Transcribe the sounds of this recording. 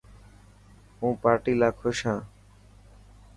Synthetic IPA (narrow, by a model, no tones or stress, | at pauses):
ũːpaːɾʈiːlaːkʰoːʃãː